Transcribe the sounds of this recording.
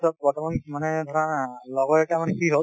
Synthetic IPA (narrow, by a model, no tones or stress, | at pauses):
sɔp̚bɔɹtɔmanmanɛdʱɔɹanlɔɡɔɛkamanɛkiɦo